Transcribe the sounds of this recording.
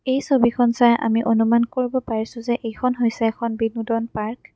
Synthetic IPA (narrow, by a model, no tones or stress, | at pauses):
ejsobikʰɔnsajʔa̰miʔonumankoɹibɔpaɹisʊ̃zɛʔejkʰɔnɦojsɛːkʰɔnbinudɔnpaɹk